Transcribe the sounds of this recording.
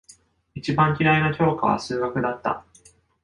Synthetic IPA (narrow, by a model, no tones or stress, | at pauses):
it͡ɕibãŋkʲiɾainakʲo̞ːka̰β̞a̰sɨːɡakɯ̟d̪at̪ːa̰